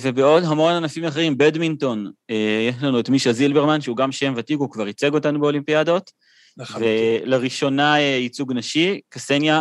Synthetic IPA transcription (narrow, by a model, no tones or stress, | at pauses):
vebe̞o̞dɦamo̞nanafimaχeʁimbedminto̞nejeʃlanuetmiʃazilbe̞ʁmanʃeuɡamʃe̞mvatikukvaʁit͡se̞ɡo̞tanube̞o̞limpiado̞t | veleʁiʃo̞naeit͡suɡnaʃikasenja